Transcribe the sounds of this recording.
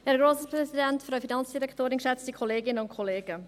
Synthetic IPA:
ɛːɾɡɾoːsəpɾɛzidɛntfɾœʊfinɑnt͡sd̥iɾɛktoːɾɪnkʃɛt͡stikʰɔleːɡɪnənʊntkʰɔleːɡə

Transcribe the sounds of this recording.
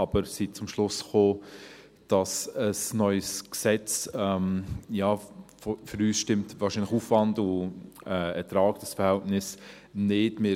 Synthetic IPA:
ɑb̥əɾsit͡sʊmʃlʊsχoː | d̥ɑsəsnœʏəsksɛt͡sɛmjɑːfføɾyːsʃtɪmtvɑːɾʃinlɪχuːfvɑndʊɛɛtɾɑːɡ̥̚d̥ɑsfəɾhɛltnɪs | nɪdmɪ

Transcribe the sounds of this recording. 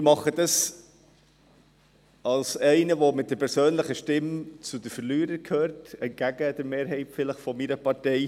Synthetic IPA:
ɪmɑχədɑs | ɑlsɛɪnəvomɪt̚d̥əɾpɛɾsøːnləχəʃtɪmt͡sudəfəɾlyːɾəɾkʰhøːɾtɛntɡ̥æɡəd̥əɾmeːɾɦɛɪtfɪləχfɔmiɾəpɑɾtɛɪ

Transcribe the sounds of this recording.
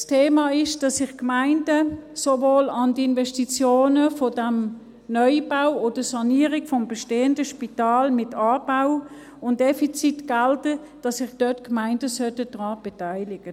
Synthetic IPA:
stʰeːmɑːɪʃd̥ɑsːɪχkmaɪndəsovoːlɑndəɪnvɛʃtit͡sjoːnəfɔdæm | nɔʏb̥awoːd̥əsɑniːəʁɪkfɔmbɛʃteːəndəʃpitɑːlmɪtʰɑːbaʊ | ʊnt̚d̥efit͡sitɡ̥altə | d̥ɑsːɪχd̥œtkmaɪndəsœtəd̥ʁɑːb̥ɛtaɪlɪɡ̥ə

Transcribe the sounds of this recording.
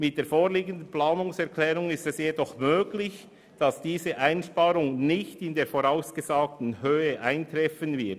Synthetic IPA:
mɪt̚d̥eːfoːʁliːɡəndən̩plaːnʊŋsɛʁkʰlɛːɾʊŋɪstɛsjedɔχmøːɡlɪç | d̥ɑsd̥iːzəʔaɪnʃpɑːɾʊŋnɪçtɪndeːɐɾfoɾaʊsɡ̥əzaːk̚tn̩høːəʔaɪntɾɛfənvɪɐt

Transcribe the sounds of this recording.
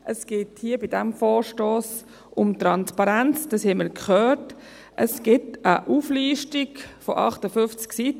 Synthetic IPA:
ʔəsɡ̥ɪːthiəbidɛmfɔːɾʃtoːs | ʊmtɾɑnspɑɾænt͡sd̥ɑshɛməlkχœːt | ʔəsɡ̥ɪtəʔuːfliːʃtikfɔʔɑ̰χtəfʏft͡sksit

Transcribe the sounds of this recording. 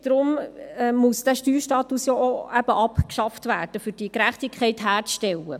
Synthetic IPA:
d̥ɾʊmɛmʊsd̥æʃtyːɾʃtɑːt̪usjɔʔoæb̥əʔɑpkʃɑftvæːɾd̥əfʏɾd̥iəkɾæχtɪkʰχɛɪtɦæːɾʃtɛlə

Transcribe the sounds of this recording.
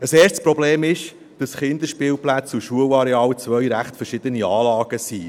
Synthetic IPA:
əseːrʃtspɾɔbleːmɪʃ | d̥ɑsχɪnd̪əɾʃpiːlplæt͡suʃuəlɑɾɛɑːlt͡svœɥɾæχtfərʃɪd̥̪əniɑːlɑːɡ̥əsiː

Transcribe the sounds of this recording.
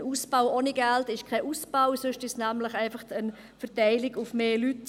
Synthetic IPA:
nusb̥aʊonɪɡ̥ɛltɪʃkʰɛɪʔuːsb̥aʊsøʃtɪsnæmləχɛɪfɐχtən | fəʁtɛɪlɪɡʊfmeːlyt

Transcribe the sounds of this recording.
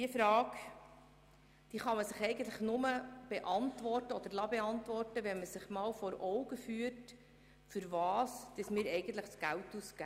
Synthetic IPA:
diəfɾɑːɡ | d̪̥iːχɑməsɪχɛɪɡən̩t̪ləχnʊməb̥eʔɑntʋɔrtəɔd̪əɾlɑbeɑntvʋɔrtəʋɛnməsɪχmɑːlfɔɾɔʊɡəfyət | fʏɾvɑːsd̥̪əsmɪːɾɛɪɡən̩t̪ləχsɡ̥æltuskæ

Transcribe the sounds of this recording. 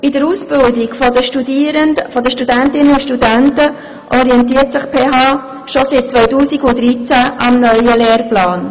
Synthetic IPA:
ɪdəɾuːsb̥ɪldɪɡfdəʃtudiɾəfɔdəʃtudæntɪnəʊʃtudæntə | ʔɔɾiɛnt̬iːərtsɪχpʰeːɦɑː | ʃɔsɪt̚t͡sʋœʏtuːsiɡʊdɾit͡sæʔɑmnœʏəleːrplɑːn

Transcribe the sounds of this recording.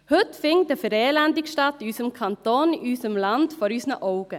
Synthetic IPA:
hɵtfɪŋdəfəɾeːlændɪkʃtɑtysəmkʰɑnt̪oːnysəmlɑndfɔɾyːsnəʔɔʊɡ̥ə

